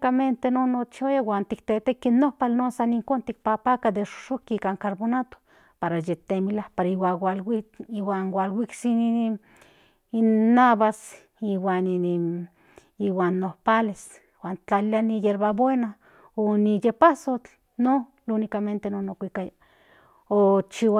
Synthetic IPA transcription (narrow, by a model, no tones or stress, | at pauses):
kament̪enonot͡ʃojawant̪ikt̪et̪ekːinːohpalnosaniŋkont̪ik̚papakad̪eʃo̥ʃokiikaŋkaɾbonat̪o̥ | paɾajet̪emilahpaɾaiwawalwiiwanwalwiksi | inːaβas | iwani | iwaːnːohpales | waːnt͡ɬalianijeɾβabwena | onijepasot͡ɬ | no | lunikament̪enonokʷikaja | ot͡ʃiwa